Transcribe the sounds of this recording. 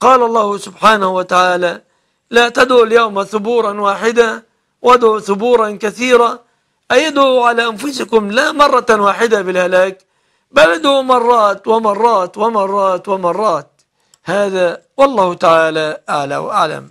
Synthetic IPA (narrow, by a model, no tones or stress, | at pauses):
qɑːlɑlˤːɑːhʊsʊbħaːnahwat̪aʕaːla | lat̪ad̪ʕuljawmaθʊbuːɾˤɑnwaːħɪd̪a | wad̪ʕuθʊbuːɾˤɑnkaθiːɾa | ʔajad̪uʕalaʔanfʊsɪkʊmlamɑrˤːɑwaːħɪd̪abɪlhalaːk | balad̪umɑrˤːɑːt̪wɪmɑrˤːɑːt̪wɪmɑrˤːɑːt̪wɪmɑrˤːɑːt̪̚ | haːðawɑlˤːɑːhʊt̪aʕaːlaʔaʕla̰wʔaʕla̰m